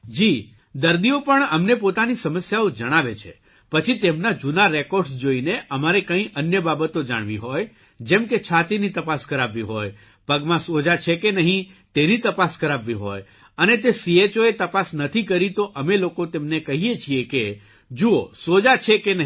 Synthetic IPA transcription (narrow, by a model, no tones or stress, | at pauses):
d͡ʒi | d̪əɾd̪iopəɳəmnepot̪anisəməsjaod͡ʒəɽ̃aʋet͡ʃʰḛ | pət͡ʃʰit̪emnad͡ʒunaɾekoɾɖsd͡ʒoineʔəmaɾekə̃ĩʔənjəbabət̪od͡ʒa̰ɽ̃ʋḭɦoj | d͡ʒɛmket͡ʃʰat̪init̪əpaskəɾaʋːiɦoj | pəɡmãsod͡ʒat͡ʃʰekenəɦĩt̪enit̪əpaskəɾaʋːiɦo̰j | ənet̪esiet͡ʃoet̪əpasnət̪ʰikəɾit̪oʔəmelokot̪emnekəɦijet͡ʃʰieke | d͡ʒuosod͡ʒat͡ʃʰekenəɦi